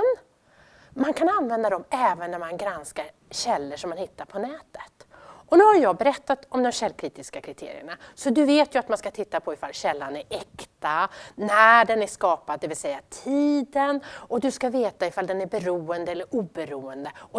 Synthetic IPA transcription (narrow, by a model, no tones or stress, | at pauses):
n | mankʰananvɛnd̪ad̪ɔmɛːvənːæɾmanɡɾanskaɾ | ɕɛlːəʂɔmːanhɪt̪ːaɾpʰɔnɛːt̪ə̥t̪ʔɔnʉhajjɑːɡbɛɾɛt̪ːat̪ɔmd̪ɔmɕɛlːkʰɾiːt̪ɪskakʰɾɪt̪ʰḛːɾɪ̰ə̰ɳasɔd̪ɵveːt̪jɵat̪manskat̪ʰɪt̪ːapʰɔɪfa̰lːɕɛlːanæɾɛkt̪anæɖɛnæʂkɑːpad̪̚d̪ɛvɪlsɛjːat̪ʰiːd̪ənɔd̪ɵskaveːt̪aɪfald̪ɛnæɾbɛɾuːənd̪əɛlːəɾuːbɛɾuːənd̪əɔ